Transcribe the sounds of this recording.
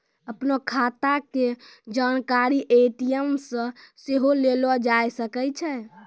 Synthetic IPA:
əpnɔkʰat̪aked͡ʒankaɾiʔeʈiəmsə̃seɦolelɔd͡ʒajsəkɛt͡ʃʰɛ

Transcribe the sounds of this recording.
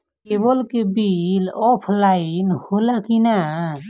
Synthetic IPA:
kebolkebilɔpʰlainholakina

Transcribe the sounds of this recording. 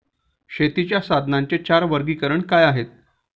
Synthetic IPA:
ɕet̪it͡ɕjasad̪ʱnaɲt͡ɕet͡ɕaɾʋəɾɡiːkəɾəɳkajaɦet̪̚

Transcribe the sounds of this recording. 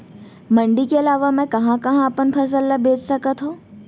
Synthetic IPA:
mɐ̃ɳɖikeɐlaːʋamɛ̃kɐɦãkɐɦãɐpənpʰɐs̬əlːabʱeːt͡ʃsɐkət̪ɦõː

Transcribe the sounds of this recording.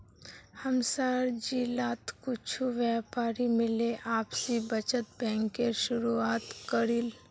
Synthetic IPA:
həmsaːɾd͡ʒilaːt̪kʊt͡ʃʰuʋjɛːpaːɾimɪleʔaːpsibət͡ʃət̪̚bɛ̃ːŋkːeʃʊɾuaːt̪kəɾil

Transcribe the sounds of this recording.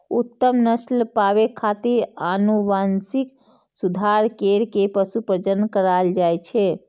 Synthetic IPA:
ut̪ːəmnəslpaβekʰat̪iɾanuʋansik | sud̪ʱaɾkeɾkepəsupɾəd͡ʒənkəɾald͡ʒajt͡ʃʰɛ

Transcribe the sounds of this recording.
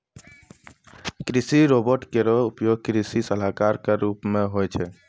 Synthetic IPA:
kɾisiɾobɔɾʈkeɾɔupjoɡ̚kɾisisəɦakaɾkaɾupmẽɦojt͡ʃʰɛ

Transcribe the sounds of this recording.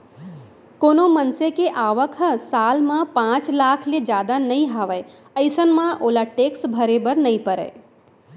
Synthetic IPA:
koːnomənsekeʔaːʋəkʰəsaːlmãpãːt͡ʃlaːkʰled͡ʒjaːd̪anɐĩɦaːʋəe | əɪsənmãʔoːlaʈeːksbʱəɾebəɾnɐĩpəɾə̰e

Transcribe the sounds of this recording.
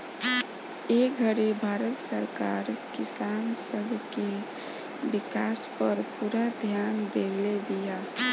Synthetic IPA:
eɡʱəɾibʱaɾət̪səɾkaɾkisansəbʱke | bikaspəɾpuɾad̪ʱjand̪elebija

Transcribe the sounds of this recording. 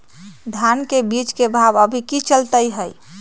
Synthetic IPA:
d̪ʱjankebit͡ʃkebʱabəbʱikit͡ʃəlt̪əjɦəj

